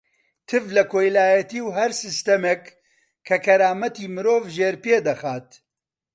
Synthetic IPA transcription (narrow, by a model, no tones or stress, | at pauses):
t̪ʰɨvlɐkʰoːjlaːjɐt̪iːwɦɐɾsɨst̪ɐmek | kʰːɐkʰɐɾaːmɐt̪iːmɨɾoːvʒeːɾpeːd̪ɐxaːt̪